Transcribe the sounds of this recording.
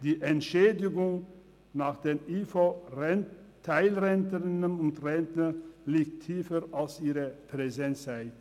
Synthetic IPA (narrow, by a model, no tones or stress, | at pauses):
d̥iːʔɛntʃeːdɪɡʊŋ | naːχd̥eːniːfo | tʰːaɪlʁɛntəʁɪnənʊntʁɛntənliːk̚tʰːiːfəɾalsiːʁəpʁ̥ɛzɛntsaɪ